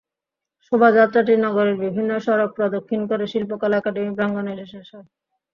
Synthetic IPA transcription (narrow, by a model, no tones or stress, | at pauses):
ʃobʱad͡ʑat̪ːɾaʈ̬iɾnɔɡoɾeɾbibʱinːoʃɔɾok̚pɾɔd̪okʰːinkoɾeʃilpokalɛkaɖemibɾaŋɡoneɾeʃaʃa